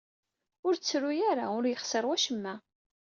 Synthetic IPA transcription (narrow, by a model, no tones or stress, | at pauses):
ʊɾt͡sːɾujaɾaʊɾjəχsəɾwæʃəmːæ